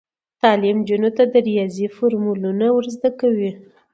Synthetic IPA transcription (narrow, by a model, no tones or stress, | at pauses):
t̪ɑlɪmd͡ʒunot̪ad̪əɾijɑzifoɾmulunawəɾzd̪akawi